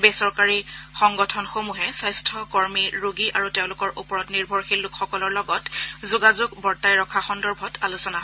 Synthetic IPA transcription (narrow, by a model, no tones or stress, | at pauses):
besɔɹkaɹixɔŋɡɔtʰɔnxomuɦɛsajstʰɔkɔɹmiɹuɡiʔa̰ɹuteʊ̃lʊkɔɹʔupɔɹɔtniɹbʱɔɹxilːʊkxɔkɔlɔɹlɔɡɔtzuɡazʊɡbɔɹtajɹɔkʰaxɔndɔɹbʱɔtalusɔnaɦɔ